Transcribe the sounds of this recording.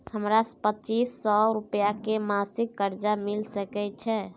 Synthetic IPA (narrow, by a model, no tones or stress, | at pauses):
həmɾaspət͡ʃisːɔɾupjakemasikːəɾd͡ʒamilsəkɛt͡ʃʰɛ